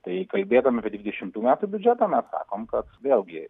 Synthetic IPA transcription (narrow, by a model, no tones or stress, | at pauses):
t̪ɐɪkɐlʲbʲeːd̪ɐʋmɐpʲiɛd̪ʲʋʲɪd̪ʲɛʃʲɪmt̪uːmʲæːt̪uːbʲʊd͡ʒʲɛt̪ɐːmʲɛssɑ̰ːkoːmkɐt̪ʋʲeːlˠɡʲɪ